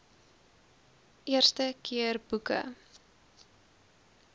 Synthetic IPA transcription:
ʔiərstəkʰiərb̥ukə̰

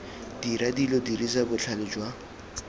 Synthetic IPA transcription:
d̥iɾadilodirizabʊt͡ɬʰalɪd͡ʒwa

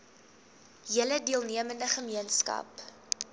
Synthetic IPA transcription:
ɦələdiəlˠniəməndəχəmiənskɐ̰p

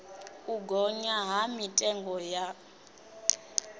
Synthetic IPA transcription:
uɡɔɲaɦamitʼɛŋɡɔja

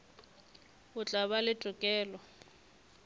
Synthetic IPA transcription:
bʊt͡ɬʼaβalɪtʼʊkʼɛːlɔ

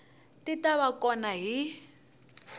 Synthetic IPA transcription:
titaβakɔnaɦi

